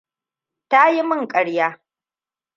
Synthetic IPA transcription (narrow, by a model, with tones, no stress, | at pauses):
ta˦ji˦mɪ˦˨ŋkʼɐ˨ɽjaː˦